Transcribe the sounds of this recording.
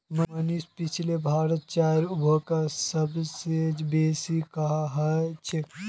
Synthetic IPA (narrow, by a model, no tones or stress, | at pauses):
məmənispit͡ʃʰlebʱaːɾət̪̚t͡ʃaːɾubʱəkasəbsed͡ʒbeːsikɐɦaɦət͡ʃʰe